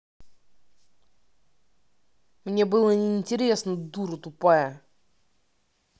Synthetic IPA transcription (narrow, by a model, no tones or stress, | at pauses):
mnʲe̞bɨlˠənʲɪːnʲtʲɪɾʲe̞snəd̪uɾɨt̪ʊpajə